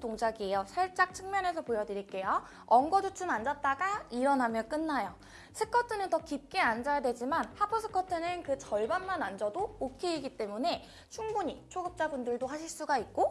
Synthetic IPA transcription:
toŋd͡ʑaɡiejosʰaɭt͡ɕ͈ak̚t͡ɕʰɯŋmjʌne̞sʰʌpojʌdɯɾik͈e̞jo | ʌŋɡʌd͡ʑut͡ɕʰɯmand͡ʑʌt̚t͈aɡaiɾʌnɦamjʌnk͈ɯnːajo | sʰɯk͈ʰʌtʰɯnɯntʌkip̚k͈eand͡ʑajadwe̞d͡ʑimanhapʰosʰɯ̥kʰʌtʰɯnɯnkɯt͡ɕʌɭbanmanand͡ʑʌdookʰeiɡit͈e̞mune̞ | t͡ɕʰuŋbuɲit͡ɕʰoɡɯp̚t͡ɕ͈abundɯɭdohaɕʰiɭs͈uɡait̚k͈o

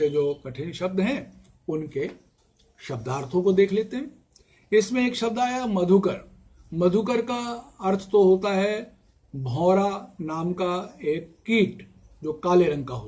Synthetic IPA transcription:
ed͡ʒoːkɐʈʰɪnʃɐb̚d̪ɦɛ̃ | ʊnke | ʃɐb̚d̪aːɾt̪ʰõkod̪eːkʰleːt̪eɦɛ̃ | ɪsmẽeːkʃɐb̚d̪aːjamɐd̪ʱukəɾ | mɐd̪ʱukəɾkaɐɾt̪ʰt̪oɦoːt̪aɦɛ | bʱɔːɾanaːmkaeːkːiːʈ | d͡ʒoːkaːleɾɐ̃ŋkaɦoː

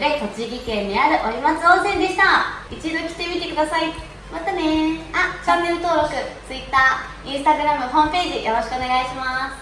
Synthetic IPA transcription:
d̪e̞t̪o̞t͡ɕiɡʲikẽ̞ɲːiaɾɯ̟ʔoɾʲimat͡sɨõ̞ɰ̃sẽ̞nd̪e̞ɕi̥t̪ait͡ɕid̪o̞kʲi̥t̪e̞mʲit̪e̞kɯ̟d̪asai | mat̪ane̞at͡ɕãnːe̞ɾɯ̟t̪o̞ːɾo̞kɯ̟t͡sɨit̪ːaː | ĩɰ̃st̪aɡɯ̟ɾamɯ̟ɦõ̞mpe̞ːʑijo̞ɾo̞ɕi̥kɯone̞ɡaiɕimasɨ̥

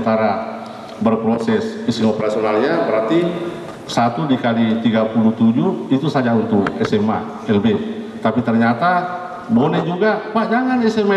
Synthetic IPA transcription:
t̪aɾa | bərpɾosɛsisiŋopəɾasionalɲabəɾart̪i | sat̪udikalit̪iɡapuluht̪ud͡ʒuit̪usad͡ʒaunt̪ʊkɛsɛma̰ | ɛlbɛ | t̪apit̪ərɲat̪a | bonɛd͡ʒuɡapad͡ʒaŋanɛsɛma

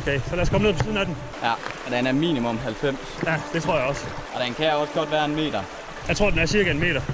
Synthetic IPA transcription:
okʰeɪsɒlæɐskʰɒmneð̰ˠʰɒliːðˠn̩æd̥n | jæ | d̥enæɐmḭːnimɔ̽mɦælfem̰sjæd̥e̝t͡sʰʁo̝ɐ̰jaɒ̽sʔɒ̽d̥enkʰæjaɒ̽sɡ̥ɒ̽d̥ʋæːɐenme̝̰ːd̥ɐ | jɑɪt͡sʰʁo̝ɐdenæɐsiɐɡ̥əenme̝̰ːɾɐ

